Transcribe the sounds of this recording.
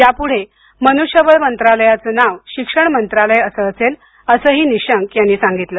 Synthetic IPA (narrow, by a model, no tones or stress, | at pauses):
japuɽ̤e | mənuɕjəʋəɭmənt̪ɾaləjat͡sənaʋɕikʂəɳ̃mənt̪ɾaləjəsəːsel | əsəɦiːniɕəŋkjanːiːsaŋɡit̪lə